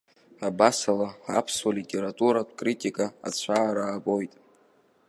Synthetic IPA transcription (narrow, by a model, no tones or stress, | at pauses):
abasalaa̰pʰswalitʲʼe̞ɾatʼuɾatʷʰʼkʼritʼikʼaa̰t͡ɕʷʰaːɾaːpʼo̞jtʼ